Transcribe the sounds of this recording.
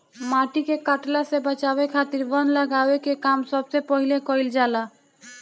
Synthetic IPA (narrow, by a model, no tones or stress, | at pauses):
maʈikekaʈlasebət͡ʃabekʰat̪iɾbənləɡawekekamsəbsepəɦilekɔild͡ʒala